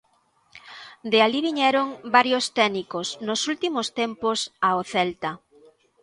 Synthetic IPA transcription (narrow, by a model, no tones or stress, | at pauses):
d̪ealiβiɲɛɾoŋbaɾjost̪ɛnikosnosult̪imost̪emposaoθɛlt̪ɐ